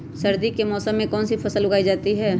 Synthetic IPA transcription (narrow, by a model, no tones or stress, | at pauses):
sɐɾd̪ikːemɔːsəmːẽkɔːnsipʰɐsəlʊɡaːid͡ʒaːt̪iɦɛː